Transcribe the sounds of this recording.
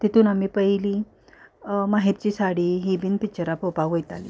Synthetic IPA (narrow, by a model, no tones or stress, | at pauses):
t̪it̪ʰuːnamiːpəɦili | maɦip̪̚t͡ɕiːsaɽiːɦibinpit͡ɕəɾapopaʋojt̪alḭ